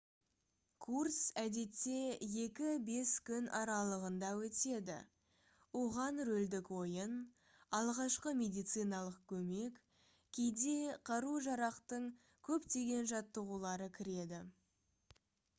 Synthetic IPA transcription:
kʰursæd̪e̞t̪ːe̞je̞kʲɪbe̞skʲʏnɑɾɑlˠəʁənd̪ɑwɵt̪e̞d̪ɪ̰ | woʁɑnɾɵld̪ɪkwo̞jən | ɑlˠʁɑʃqəmʲe̞d̪ijt̪sɨjnɑlˠəq̚kʲʰɵme̞k | kʲʰe̞jd̪e̞qʰɑɾuʒɑɾɑqt̪əɴ | kʲʰɵpt̪e̞ɡʲe̞nʒɑt̪ːəʁulˠɑɾəkʲʰɪɾe̞d̪ɪ

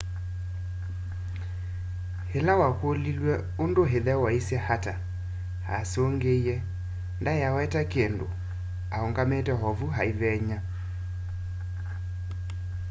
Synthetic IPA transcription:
helawakolilwɛ | ondoɦeðɛwaisɛhata | ha̰soŋɡeiɛ | ndajawɛtakendo̰ | aoŋɡametɛɦɔvuɦaiβɛɲa

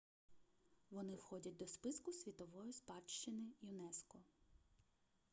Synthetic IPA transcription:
ʋɔnɪwxɔdʲɐt̚ʲd̪ɔspɪskʊsʲʋʲit̪ɔʋɔjispɑʃt͡ʃɪnɪjʊnɛskɔ

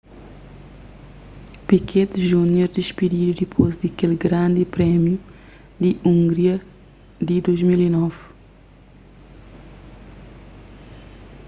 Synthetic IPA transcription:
pikʰed̪ʒunoɾd̪iʃpid̪iɾud̪ipʰozd̪ɐkelɡɾãnd̪ipɾɛmju | d̪iʔũŋɡɾiɐ | d̪id̪ojzmilinɔv

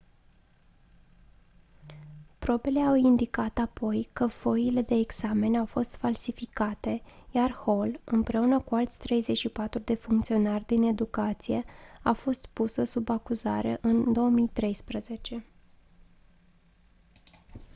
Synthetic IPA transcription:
pɾo̞be̞le̞awind̪ikat̪apo̞jkəfo̞ile̞d̪e̞ːɡz̥ame̞nawfo̞st̪falsifikat̪e̞jarho̞lɨmpɾe̞unəkualt̪sʲt̪ɾe̞jze̞t͡ʃʃipat̪ɾud̪e̞fuŋkt̪sio̞narʲd̪ine̞d̪ukat̪sije̞afo̞st̪pusəsubakuzaɾḛʔɨnd̪o̞oəmijt̪ɾe̞jspɾəze̞t͡ʃe̞

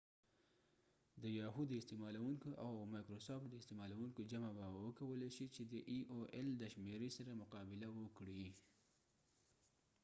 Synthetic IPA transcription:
d̪əjɑɦud̪ɪst̪emɑlawuŋkoʔawmɑjkɾosɑftd̪əɪst̪emɑlawuŋkod͡ʒamabawəkawəleʃit͡ʃed̪əʔiʔoʔeld̪əʃmeɾesaɾamʊqɑbɪlawəkɽi

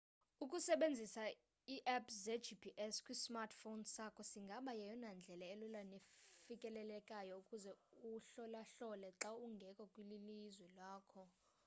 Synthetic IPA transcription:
ukʼusɛɓend͡zʱisa | iʔɛpzɛdd͡ʒipʰiʔɛskʼwismartʰfonsakʰɔsiŋɡʱaɓajɛjɔnand͡ɮʱɛlaɛlulanefikʼɛlɛlɛkʼajɔukʼuzɛuɬɔlaɬɔlɛǁauŋɡʱɛkʼɔkʼwililizwɛlwaːkʰɔ

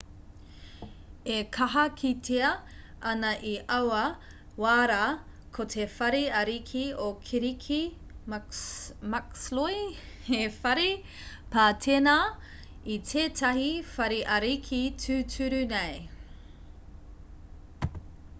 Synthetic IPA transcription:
ekʰɐɦɐkʰitʰeɐʔɐnɐʔiʔɐwɐ | waːɾa | kʰotʰefɐɾiɐɾikʰiokʰiɾikʰi | mɐksloj | efɐɾi | pʰaːtʰena | itʰeːtʰɐɦifɐɾiʔɐɾikʰitʰʉtʰʉɾʉnej

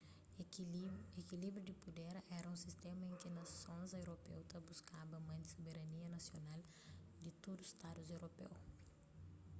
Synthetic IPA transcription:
ekilibɾud̪ɪpud̪ɛɾɛɾɐũsist̪ɛ̃mɐẽkɪnɐssõzewɾopḛwt̪ɐbuskabɐmɐ̃d̪ɪ̥sobeɾɐniɐnɐsjonal | d̪ɪt̪od̪ust̪ad̪uzewɾopḛw

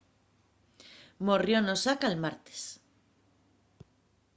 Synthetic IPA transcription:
morjonosakalmaɾt̪e̥s

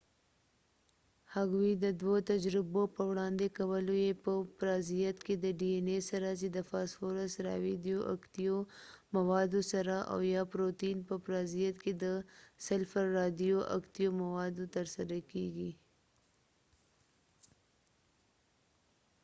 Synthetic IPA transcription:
haɡwid̪əd̪wot̪ad͡ʒɾɪbopəwɽɑnd̪ekawəlojepəpɾɑzijat̪ked̪əɖienesaɾazid̪əfɑsfoɾasɾɑ̰wid̪ijoʔa̰kt̪ijomawɑd̪osaɾaʔa̰wjɑpɾot̪inpəpɾɑzijat̪ked̪əsalfaɾːɑd̪ijoʔa̰kt̪ijomawɑd̪ot̪əɾsaɾakeɡi

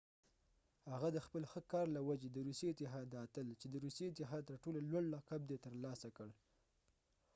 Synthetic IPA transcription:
haɣad̪əxpəlxəkɑɾlawad͡ʒed̪əɾusjeɪt̪ɪɦɑd̪at̪əlt͡ʃed̪əɾusjeɪt̪ɪɦɑd̪̚t̪əɾʈolalwaɽːɑkab̚d̪et̪əɾlɑsakəɽ

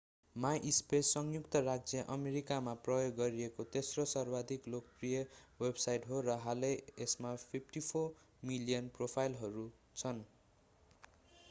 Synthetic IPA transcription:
maʔispeʌŋjukt̪ʌrad͡zjʌʔʌmeɾikamaprʌjoɡːʌɾiekot̪esrosʌrbad̪ʱiklokprijʌwebsajʈɦoɾʌɦaleesmapʰipʰʈipʰo | milijʌnpropʰajlɦʌɾu | t͡sʰʌn

